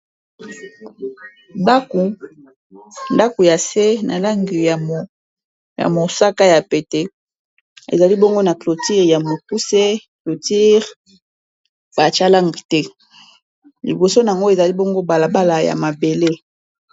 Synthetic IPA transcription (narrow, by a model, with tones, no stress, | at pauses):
nda˦ku˨ | nda˦ko˨ja˨se˦na̰˨la˦ŋɡi˨ja˨m˨ | ja̰˨mo˨sa˦ka˦ja˨pe˨te˦ | ḛ˨za˨li˦bɔ˦ŋɡo˦na˨klo˨ti˦ʁja˨mo˨ku˦se˦klo˨ti˦ʁ | ba˨t͡ʃa˦la˦ŋɡi˨tɛ˦ | lḭ˨bo˨so˦na˨a˨ŋɡo˦e˨za˨li˦bo˦ŋɡo˦ba˨la˨ba˦la˨ja̰˨ma˨be˨le˦